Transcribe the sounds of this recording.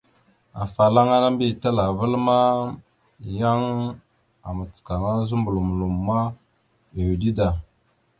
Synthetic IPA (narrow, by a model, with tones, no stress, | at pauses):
a̰˨fa˨la˦ŋa˦na˦mbi˦˨ta˦la˨və˦lma˦ | ja˦ŋ | a˨mə˨t͡ska˨ŋa˦zu˦mbu˨lu˨mu˨lu˨mː˨a˦ | e˨wi˨di˦da˨